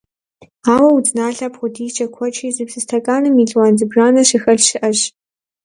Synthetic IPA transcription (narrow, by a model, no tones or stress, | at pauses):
aːwɐwudnaːɮɐpχʷʊdiːt͡ʃʼɐkʷʰɔt͡ʃʰʼiːzɨbsɨstʰɐkʼaːnɨmiːɮwaːnzɨbraːnɐɕɪxɐɮʃɪʔɐɕ